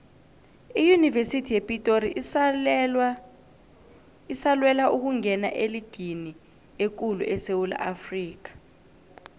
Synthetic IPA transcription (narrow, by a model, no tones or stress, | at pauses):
ijunivesitʰijepʼitʼoɾi | isalwɛlaʔuk̬uŋɛna̰ʔeliɡ̥ʱini | ek̬ulṵʔɛsewula̰ʔafriːk̬ḁ